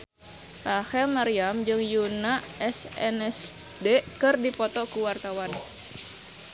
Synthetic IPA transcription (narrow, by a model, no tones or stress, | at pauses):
pahɛlmaɾiamd͡ʒɨŋjunaɛsɛ̰nɛs | dekɨrdipɔt̪ɔkuwart̪awan